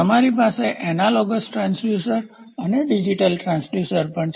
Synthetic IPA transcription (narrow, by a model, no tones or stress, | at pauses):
əmaɾipaseʔɛnalɔɡəsʈɾãnsluʃəɾ | əneɖid͡ʒiʈəlʈɾãnsluʃəɾpəɳʰ